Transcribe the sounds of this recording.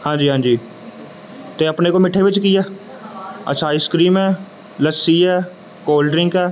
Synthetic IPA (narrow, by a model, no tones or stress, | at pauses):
hãːd͡ʒiːɦãːd͡ʒiː | t̪eːəpneːkoːmɪʈʰːeːʋɪt͡ʃkɪɛː | ə̰tːʃʰaːɪskɾiːmɛː | ləsiːɛː | koːlɖɾɪ̃ŋkɛː